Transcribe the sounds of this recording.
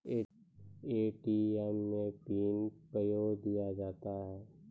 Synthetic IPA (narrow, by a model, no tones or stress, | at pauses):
eːʈiɛmːẽpiːnpɾəjoːɡd̪ijad͡ʒaːt̪aɦɛː